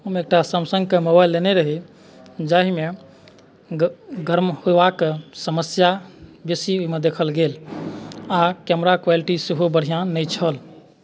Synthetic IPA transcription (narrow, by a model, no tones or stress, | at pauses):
umek̚ʈasəmsə̃ŋɡkemobajlːeneɾəɦi | d͡ʒaɦime | ɡʱəɾmhoebakesəməsjabesioimed̪ekʰəlɡel | akɛmɾakwaliʈiseɦobəɽ̤ʱijãnəjt͡ʃʰəl